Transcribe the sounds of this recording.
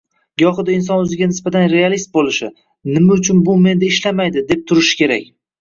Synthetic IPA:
ɡɒχɨd̪aɪns̬ɒnɵzɪɡʲanɪsbat̪ʰanɾe̞alist̪̚bolɪʃɪ | nɪmaʊt͡ʃʰʊnbʊme̞nd̪aɪʃlamajd̪ɪd̪e̞p̚t̪ʰʊɾɪʃɪ̥kʲʰe̞ɾakʲ

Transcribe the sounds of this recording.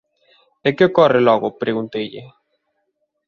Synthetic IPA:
ekɪokɔrɪlɔɣʊpɾeɣunt̪ejʎɪ

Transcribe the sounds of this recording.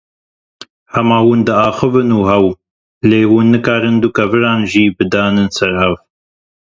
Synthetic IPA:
hɐmaːwuːnd̪ɨaːxɨvɨnuːhɛw | leːwuːnːɨkaːɾɨnd̪ukɐvɨɾaːnʒiːbɨd̪aːnɨnsɛɾhɛv

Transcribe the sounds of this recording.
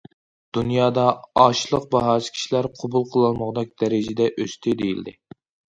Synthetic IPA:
d̪̥unjɑːd̪ɑɑʃlˠəq̚bɑɦɑːsɨ̥kʲʰi̥ʃilæɾqʰobulˠqʰəlˠɨlˠməʁd̪ɑk̚ʲd̪̥ɛɾɪd͡ʒɪd̪ɛʔøst̪ʰɪd̪ejḭld̪ɪ̰

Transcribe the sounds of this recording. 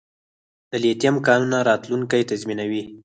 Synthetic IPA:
d̪̥əlet̪jamkɑnunaɾɑt̪luŋkajt̪azminawi

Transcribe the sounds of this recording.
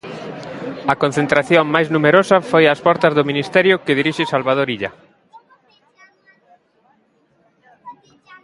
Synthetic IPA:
ɐkon̟θent̪ɾaθjoŋmajznumeɾosafojaspɔɾt̪azðominist̪ɛɾjʊkeðiɾiʃesalβað̞oɾiʎa̰

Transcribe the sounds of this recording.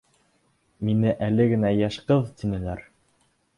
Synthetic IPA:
minɘʔælɘɡɘ̆næjæʃqɤðt̪inɘ̆læɾ

